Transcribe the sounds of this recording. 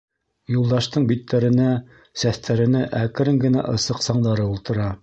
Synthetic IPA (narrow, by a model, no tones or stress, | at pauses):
julˠd̪ɑʃt̪ɤɴbit̪ːæɾɘ̆næ | sæθt̪ʰæɾɘ̆nɘʔækɘ̆ɾɘŋɡɘ̆næ̰ʔɤ̆sɤqsɑɴd̪ɑɾɤulˠt̪ɤ̆ɾɑ